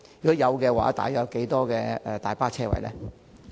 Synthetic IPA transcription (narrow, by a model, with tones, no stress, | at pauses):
y˨kɔ˨˥jɐ˨˧wkɛː˧wa̰ː˨˦t̪a̰ː˨jɔː˨˧wke˨˥jt̪ɔː˥kɛː˧ɛː˨t̪aː˨jpaː˥t͡ʃʰɛː˥wɐ̰˨˩jlɛ̰ː˦˥